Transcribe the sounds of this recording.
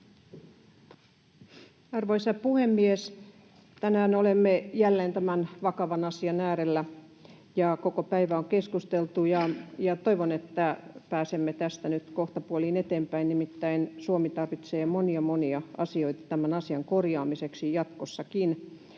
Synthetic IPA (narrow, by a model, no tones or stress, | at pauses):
ɑrʋoisɑpuhemːies | t̪ænæːnolemːejælːeːnt̪æmænʋɑkɑʋɑnɑsiɑnæːɾelːæ | jɑkokopæiʋæoŋkeskust̪elt̪ujɑjɑt̪oiʋonet̪ːæpæːsemːet̪æst̪ænyt̪koht̪ɑpuoliːnet̪eːmpæinnimit̪ːæinsuomit̪ɑrʋit̪seːmoniɑmoniɑɑsio̞it̪ɑ̥t̪æmænɑsiɑŋkorjɑːmiseksijɑt̪kosːɑkin